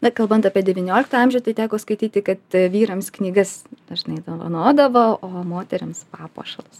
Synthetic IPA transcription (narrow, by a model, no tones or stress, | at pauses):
nɐkɐlˠbɐnt̪ɑːpʲiɛd̪ʲɛʋʲɪnʲoːlʲɪkt̪ɐːɐmʲʒʲʊt̪ɐɪt̪ʲæːkoːskɐɪt̪ʲiːt̪ʲɪkɐt̪ʋʲiːɾɐmsknʲiːɡɐsnʲɛʒnɐɪd̪ɐʋɐ̰noːd̪ɐʋoːʔoːmoːt̪ʲɛɾʲɪmspɑːpo̰ːʃɐlˠɐs